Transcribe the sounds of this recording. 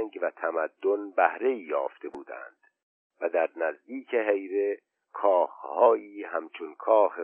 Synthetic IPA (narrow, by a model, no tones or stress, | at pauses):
ŋɡvæt̪ʰæmæd̪ːonbæhɾe̞iːjɒ̰ːft̪ʰe̞buːd̪æ̰nd̪̥ | væd̪æɾnæzd̪iːcʰe̞ɦejɾe̞ | kʰɒːxhɒːjiːhæmt͡ʃʰonkʰɒːxe